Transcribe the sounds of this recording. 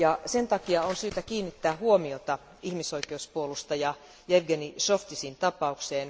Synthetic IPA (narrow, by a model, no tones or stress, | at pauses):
jɑsent̪ɑkiɑonsyːt̪ækiːnːit̪ːæːhuomiot̪ɑ | ihmisoikeuspuolust̪ɑjɑ | jeʋɡenisoft̪isint̪ɑpɑukseːn